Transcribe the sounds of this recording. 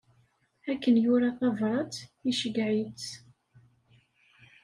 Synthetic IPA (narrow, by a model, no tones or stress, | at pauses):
ækːənjʊɾaθɑvɾˤɑt͡siʃəɡʕit͡s